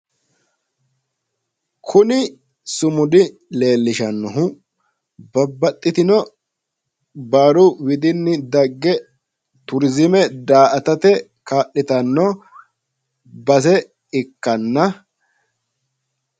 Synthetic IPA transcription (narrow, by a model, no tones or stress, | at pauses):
kʰʊnɪ | sʊmʊd̪ɪ | le̞ːlːɪʃɐnːɔɦʊ | bɐbːɐt̪ʼːɪt̪ɪnɔ | baːɾʊwɪd̪ɪnːɪd̪ɐɡːɛ | t̪ʊɾzɪmɛd̪aːʔɐt̪ɐt̪ɛ | kaːʔːɪt̪ɐnːɔ | bɐs̬ɛ | ɪkːɐnːɐ